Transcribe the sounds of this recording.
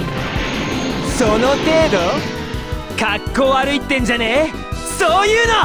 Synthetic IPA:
sono̞t̪e̞ːd̪o̞ | kakːo̞ːaɾɯ̟it̪ːẽ̞ɲ̟d͡ʑane | soːjɯːno

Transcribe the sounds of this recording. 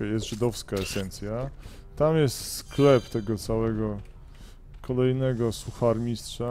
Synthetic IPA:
jɛs̬t̪ʐɘd̪ɔfskaɛsɛnt̪sʲja | t̪amjɛst̪sklɛpt̪ɛɡɔt̪sawɛɡɔ | kʰɔlɛjnɛɡɔsuxaɾmʲistʂa

